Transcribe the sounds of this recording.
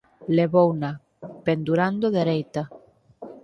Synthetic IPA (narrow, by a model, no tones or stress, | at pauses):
leβowna | pend̪uɾand̪oðeɾejt̪a